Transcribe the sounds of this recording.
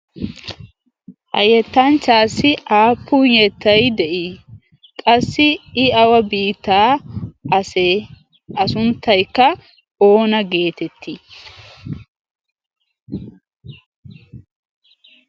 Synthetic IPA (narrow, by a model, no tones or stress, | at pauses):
hɐ̰jɛt̪ːɐnt͡ʃaːsːɪʔaːpʰːʊnjɛt̪ːɐjd̪ɛʔi | kʼɐsːɪɪɐwɐbiːt̪ːaːɐse | ɐsʊnt̪ːɐjkːɐ | o̞ːnɐɡe̞ːt̪ɛt̪ʰːi